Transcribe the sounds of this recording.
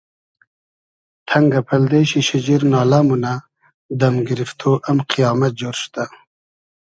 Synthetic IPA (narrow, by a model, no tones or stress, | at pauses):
t̪ʰɐŋɡapʰɐld̪eɕiʃid͡ʑiɾnɑːlamuna | d̪amɡiɾift̪ʰoʔamqʰijɑːmat̪̚d͡ʑoːɾʃt̪a